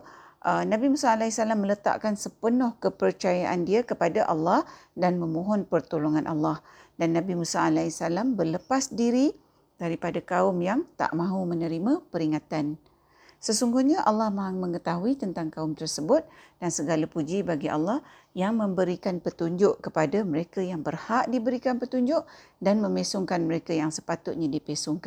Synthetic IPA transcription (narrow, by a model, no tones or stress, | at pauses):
ʔənãbimusaalaisalamːələt̪a̰ʔkansəpənʊhkəpərt͡ʃajaʔandiakəpadaʔalːɑhdanmə̃moɦɔnpərt̪oloŋanʔa̰lːɑhdanːãbimusaʔalasalambərləpasdiɾi | d̥aɾipadakaʊmjaŋt̪a̰ʔmãɦumənəɾimãpəɾiŋat̪an | səsuŋɡuɲaʔalːɑhmaɦaŋməŋət̪aɦuit̪ənt̪aŋkaʊmt̪ərsəbʊt̪̚d̥ansəɡalapud͡ʒibaɡiʔa̰lːɑh | jaŋmə̃mbəɾikanpət̪uɲd͡ʒʊʔkəpadaməɾekajaŋbərhaʔdibəɾikanpət̪uɲd͡ʒʊʔdanmə̃mesʊŋkanməɾekajaŋsə̥pat̪ʊt̪̚ɲadipesʊŋk